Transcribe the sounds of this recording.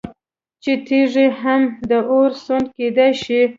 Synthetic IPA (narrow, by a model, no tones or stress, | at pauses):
t͡ʃet̪ʰiʐiɦamd̪əʔoɾsund̪ked̪ajʃi